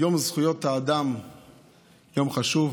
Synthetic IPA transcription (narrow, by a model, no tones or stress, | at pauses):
jomzχujot̪aːd̪am | jomχaʃuv